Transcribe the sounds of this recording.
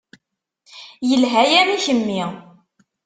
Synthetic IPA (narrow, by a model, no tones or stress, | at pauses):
jəlɦæjaɾaçəmːi